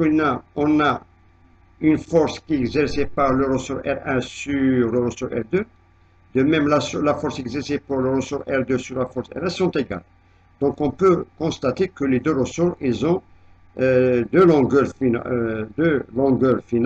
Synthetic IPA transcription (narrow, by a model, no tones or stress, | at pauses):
unaɔ̃na | ynfɔʁskiɛɡzɛʁsepaʁləʁəsuʁɛ̰ʁɛ̃syʁləʁəsuʁɛ̰ʁd̪ø | d̪əmɛmlaslafɔʁsɛɡzɛʁsepuʁləʁəsuʁɛʁd̪øsyʁlafɔʁsɛ̰ʁɛ̃sɔ̃t̪eɡa̰l | d̪̥ɔ̃kɔ̃pøkɔ̃st̪at̪ekəled̪øʁəsuʁilzɔ̃ | d̪ølɔ̃ɡœʁf | d̪ølɔ̃ɡœʁfin